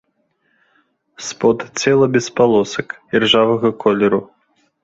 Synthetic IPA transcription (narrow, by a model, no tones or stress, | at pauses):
spɔt̪t͡sʲɛlˠɐbʲɛspalˠɔsɐkd͡zʲɛrʐavɐɣɐkʰɔlʲɛɾu